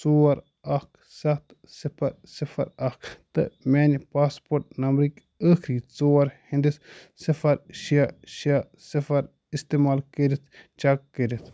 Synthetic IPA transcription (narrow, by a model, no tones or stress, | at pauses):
soːɐɾ | ɐk | sɐt̪ | sipʰɐɾ | sifʰɐ̰ɾɐkt̪ɨ̰mʲeːnipaːspoːɾʈ̚nɐmbɾikʲ | əːkʰɾiːt͡soːɐɾhĩnd̪is | sɐfɐɾʃiaʃia | sɐfɐɾ | ist̪emaːlkəɾit̪ʰt͡ʃakːəɾit̪ʰ